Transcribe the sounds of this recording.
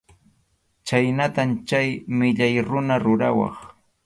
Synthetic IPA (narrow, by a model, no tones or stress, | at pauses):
t͡ʃajnat̪amt͡ʃajmɪʎajɾʊnaɾʊɾawɑ̰χ